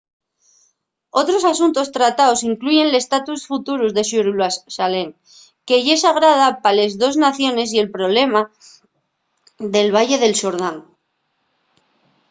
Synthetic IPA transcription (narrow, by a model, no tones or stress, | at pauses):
o̞t̪ɾo̞sasunt̪o̞st̪ɾat̪aosiŋkluʝe̞nle̞st̪at̪usfut̪uɾuzðe̞ʃuɾlasale̞ŋ | keʝesaɣ̞ɾað̞apale̞zðo̞znaθjo̞ne̞s̬ie̞lpɾo̞βle̞ma | d̪e̞lβ̞aje̞ðe̞lʃoɾðaŋ